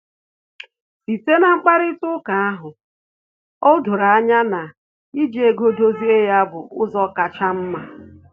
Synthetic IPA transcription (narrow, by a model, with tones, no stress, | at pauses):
si˨te˦na˨ŋ͡m̩˦k͡pa˦ɾɪ˦tʊ˦ka˨a˦ɦʊ˨ | ɔ˦dʊ˨ɾa˨a˦ɲa˦na˨ | i˦d͡ʒe˨ɡo˦do˦zi˦e˦ja˦bʊ˨ʊ˦zɔ˦ka˨t͡ʃa˦m̩˦ma˨